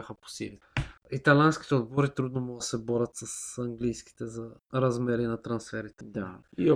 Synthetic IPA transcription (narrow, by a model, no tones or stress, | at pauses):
axəpo̥sḭli | it̪ɐlʲansk̟i̥t̪ɛod̪bɔɾit̪ɾud̪nomud̪ɐsɛbɔɾʲɐt̪sɐsɐŋɡlijsk̟i̥t̪ɛzɐɾɐzmɛɾinɐt̪ɾɐnsfɛɾit̪ɛd̪ai